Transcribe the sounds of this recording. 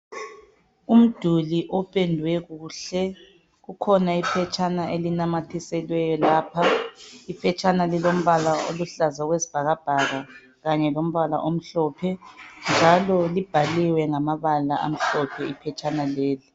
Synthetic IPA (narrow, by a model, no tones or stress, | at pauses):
um̩d̥ʱuliʔɔpʼendʱwɛɣuːɬɛ | ɣukʰɔnaipʰɛt͡ʃʰʼanaʔelinamatʰisɛlwɛjɔlaːpʰaipʰɛt͡ʃʼanalilom̩βalao̰luɬazaɣwezib̥ʱaɣab̥ʱaɣa | ɣaɲɛlom̩βala̰ʔom̩ɬɔːpʰɛnd͡ʒʱalɔlib̥ʱaliwɛŋamaβalaʔa̰m̩ɬɔpʰɛipʰɛt͡ʃʼanaleːli